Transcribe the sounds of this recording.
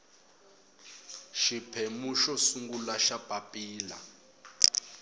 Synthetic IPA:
ʃipʰɛmuʃɔsuŋɡulaʃab̥ʼʱapʼiːla̰

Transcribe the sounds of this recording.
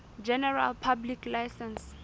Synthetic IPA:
d͡ʒɛnɛra̰lpʰablikʰlajsɛns

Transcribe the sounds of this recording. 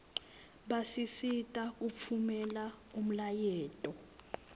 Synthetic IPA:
ɓasisitʼak̬up̪fʰumɛlaum̩lajɛːtʼɔ

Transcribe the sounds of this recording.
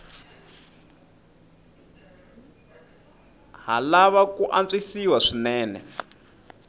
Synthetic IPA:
ɦalaβakuʔant͡sisiwaʂinɛːnɛ̰

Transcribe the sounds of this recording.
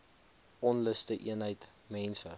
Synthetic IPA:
ɔnləstəʔḭənɦəjt | mɛnsə

